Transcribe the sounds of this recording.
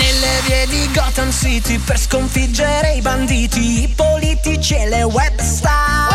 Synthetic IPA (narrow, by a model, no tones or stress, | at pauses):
nelːeviːed̪iɡɔt̪ansit̪iperskoɱfid͡ʒːeɾeiband̪iːt̪iːpolit̪it͡ʃelewɛbst̪a